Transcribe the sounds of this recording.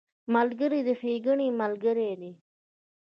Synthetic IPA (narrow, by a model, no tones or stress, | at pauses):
malɡəɾid̪ifiːɡəɳimalɡəɾed̪i